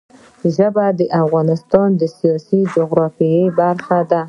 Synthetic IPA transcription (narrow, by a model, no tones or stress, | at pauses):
ʒəbad̪əʔafɣɑnɪst̪ɑnd̪əsijɑsid͡ʒʊɣɾɑfijəbaɾxad̪a